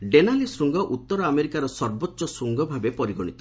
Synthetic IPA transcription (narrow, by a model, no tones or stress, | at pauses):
ɖenalisɾuŋɡɔʔut̪ːɔɾɔameɾikaɾɔsɔɾbotːʃɔsɾuŋɡɔbʱabepɔɾiɡɔɽ̃it̪ɔ